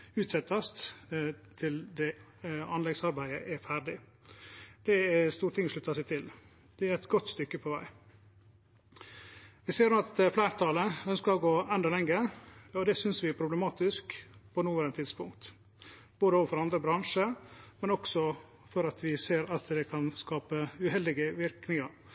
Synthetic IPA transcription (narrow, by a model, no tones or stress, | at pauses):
ʉːt̪sɛt̪ːɑst̪ | t̪ʰɪld̪ɛ | ɑnlɛɡsɑɾbæɪəʔɛfæɾɖɪ | d̪̥ɛɛst̪uːɾət̪ʰɪŋʂɭʉt̪ːɑsɛɪt̪ʰɪl | d̪̥ɛæɾɛt̪ɡɔt̪ːst̪ʏkːəpʰɔʋæɪ | ʋɪseːɾnuːɑt̪flæːɾt̪ʰɑːləœnskəɾɔɡoːɛnd̪ɑlɛŋːəɔd̪ɛsʏnsʋɪæɾpʰɾʊbləmɑːt̪ɪskpʰɔnuːʋɛɾɛnt̪ʰɪd̪spʊŋkt̪ | b̥oːd̪əɔfɔɾɑnd̪ɾəbɾɑŋʂəmɛnɔksɔ | fɔɾɑt̪ʰʋɪseːɾɑt̪d̪ɛkʰɑnskɑːpəʉhɛld̪ɪɡəʋɪɾknɪŋɑɾ